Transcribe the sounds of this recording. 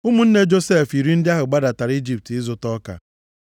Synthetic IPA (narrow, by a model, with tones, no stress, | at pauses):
u˦mu˦n̩˦ne˦d͡ʒo˦se˦˨fi˨ɾi˦n̩˦dɪ˦a˦ɦʊ˨ɡ͡ba˦da˨ta˨ɾi˦d͡ʒi˦˨p̚tɪ˦zʊ˨tɔ˦ka̰˨